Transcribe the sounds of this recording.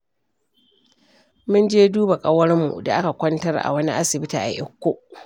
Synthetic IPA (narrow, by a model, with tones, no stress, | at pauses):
mʊ˦nd͡ʒeː˦duː˦ba˨kʼɐ˦wɐ˦rmṵ˨da̰˨ʔa˦ka˨kʷɐ˦ntɐ˦rʔa̰˨wɐ˦ni˦ʔa˦sɪ˨bɪ˦taː˨ʔa̰˨ʔɪ˦kʷːo˦ʔ